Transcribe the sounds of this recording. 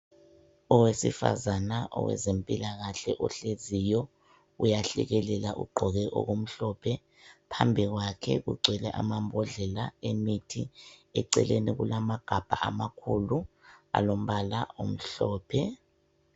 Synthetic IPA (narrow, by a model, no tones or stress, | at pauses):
ɔwesḭfa̰zanaʔɔ̰wɛ̰zempʼilaɣaɬɛʔɔɬezijɔ | ujaɬɛ̰ɣɛlɛlaʔṵɡ͡ǃʱɔɣɛʔo̰ɣum̩ɬɔpʰɛ | pʰambʱiɣwakʰɛɣuɡ͡ǀʱwɛlɛʔa̰mambʱɔɮɛlaemitʰiɛǀɛ̰leniɣulamaɡ̥ʱab̥ʱa̰ʔamakʰulua̰lom̩βala̰om̩ɬɔːpʰɛ